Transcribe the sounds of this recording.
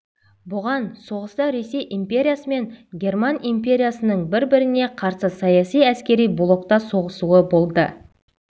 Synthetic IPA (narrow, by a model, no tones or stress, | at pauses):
bʊʁɑnso̞ʁəst̪ɑɾe̞se̞jʔimpʲe̞ɾʲijasəme̞ŋɡʲe̞rmanijmpʲe̞ɾʲijasənəɴbɪɾbɪɾɪne̞qʰɑɾsəsɑjɑsijæskʲe̞ɾijblˠo̞k̚t̪ɑso̞ʁəsuəbo̞lˠd̪ə